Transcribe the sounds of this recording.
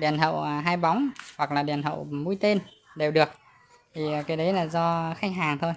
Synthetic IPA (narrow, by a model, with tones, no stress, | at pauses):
ɗi˨˩ənɦə̰˧˨wɦaː˧jɓa˨˦wŋ͡mhwa˨˩k̚laː˨˩ɗi˨˩ənɦə̰˧˨wmu˧jt̪e˧nɗe˨˩wɗɨ˨˩ək̚ | t̪ʰi˨˩˨kaː˨˦jɗə˨˦jlaː˨˩zɔ˧xa˦˥k̟̚ɦaː˨˩ŋt̪ʰo˧j